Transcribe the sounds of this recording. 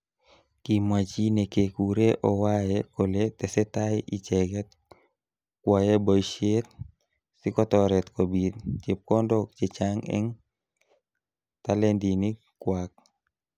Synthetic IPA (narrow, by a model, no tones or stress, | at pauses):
kimwat͡ʃinekekuɾeʔɔwajɛkolet̪ɛsɛt̪ajit͡ʃɛɡɛt̪̚ | kwajebɔʃet̪̚ | sikɔt̪ɔɾɛt̪kobit̚t͡ʃep̚kɔndɔkt͡ʃet͡ʃaŋɛ̰ŋ | t̪alɛndini | kwak̚